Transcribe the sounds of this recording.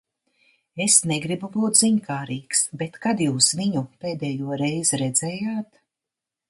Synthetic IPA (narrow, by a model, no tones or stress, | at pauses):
esnɛɡɾibubuːt̪ziɲkaːɾiːksbet̪kad̪juːsviɲupeːd̪ɛːjuɔɾɛjziɾɛd̪zɛːjaːt̪